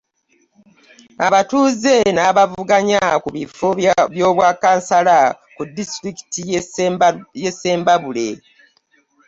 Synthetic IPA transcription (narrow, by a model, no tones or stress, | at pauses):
aβatuːze̞naβavuɡaɲakuβifoβjo̞ːβwaːkaːnsala | kudːistɾiki̥ti | jesːe̞ːmbaβule̞